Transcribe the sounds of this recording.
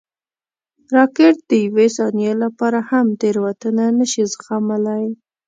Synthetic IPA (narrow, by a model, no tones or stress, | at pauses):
ɾɑkeʈ̪̚d̪̥əjwesɑnjelapɑɾahamd̪eɾwat̪ənanəʃizxamalaj